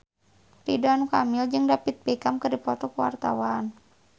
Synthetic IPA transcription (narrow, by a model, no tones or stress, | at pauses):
ɾidanukamild͡ʒɨŋdapit̪̚pɛkamkərdipɔt̪ɔkəwa̰rt̪a̰wan